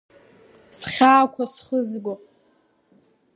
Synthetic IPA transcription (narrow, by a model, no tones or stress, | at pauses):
sχʲaːkʷʰasχəzɡʷo